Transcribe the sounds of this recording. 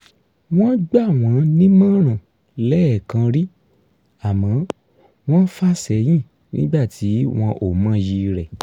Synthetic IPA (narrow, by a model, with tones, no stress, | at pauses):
w̃ɔ̃˦ɡ͡ba˦˨w̃ɔ̃˨˦nĩ˦mã˦˨ɾ̃ã˨ | lɛ˦ɛ˦˨kã˧ɾi˦ | a˨mã˨˦ | w̃ɔ̃˦fa˦sɛ˨j̃ĩ˦˨ | nḭ̃˦ɡ͡ba˦˨ti˨˦w̃ɔ̃˧ʔo˦˨mã˨˦ji˧ɾɛ˨